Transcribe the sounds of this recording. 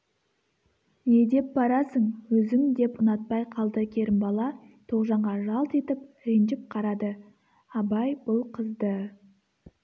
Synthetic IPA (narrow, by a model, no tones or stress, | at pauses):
jed̪e̞p̚bɑɾɑsəɴwɵzɪŋd̪e̞pʊnɑt̪̚pɑjqʰɑlˠd̪əkʲʰe̞ɾɪmbɑlˠɑ | t̪ʰo̞ʁʒɑɴʁɑʒɑlˠt̪e̞t̪ɪp̚ɾenʒɪp̚qʰɑɾɑd̪ə | ɑbɑjbʊlˠqʰəzd̪ə